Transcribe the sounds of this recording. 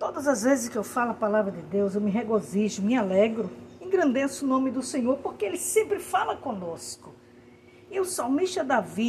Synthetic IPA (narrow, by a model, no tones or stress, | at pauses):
t̪od̪ɐzɐzvezɪskɪewfalɐpalavɾɐd̪ɪd̪ewzewmɪɦeɡoziʒʊmɪalɛɡɾʊẽɡɾɐ̃nd̪esʊnõmɪd̪ʊsẽɲoɾpoɾkeelɪsẽmpɾɪfalɐkõnoskʊ | iewsawmiʃt̪ɐd̪avi